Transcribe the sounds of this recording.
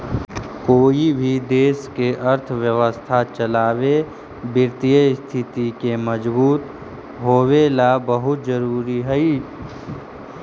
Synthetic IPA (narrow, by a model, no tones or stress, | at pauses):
koːibʱid̪eːskeʔəɾt̪ʰʋjəʋəst̪ʰat͡ʃəlaːwe | bɪɾt̪ijəst̪ʰɪt̪ikeməd͡ʒbuːt̪ | ɦoːwelabəɦʊt̪̚zəɾuːɾiɦɛi